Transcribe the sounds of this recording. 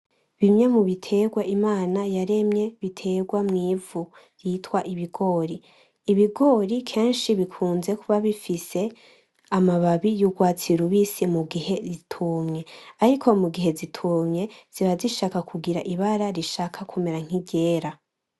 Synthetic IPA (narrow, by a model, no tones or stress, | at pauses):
βimɲe̞muβitʰe̞ɡwaʔimaːnajaɾe̞mɲe̞βitʰe̞ɡwamŋiːvu | jiːtwaʔiβiɡo̞ːɾiː | βiɡo̞ːɾikʰe̞ːnʃiβikʰuːnze̞kʰuβaβifise̞ | amaβaβijuɡwaːt͡siɾuβisimuɡihe̞zitʰumɲe̞aɾikʰo̞muɡiɦe̞zitʰumɲe̞z̥iβaziʃaːkakʰuɡiɾa̰ʔiβaɾaɾiʃaːkʰakʰume̞ɾaŋ̥iɟe̞ːɾa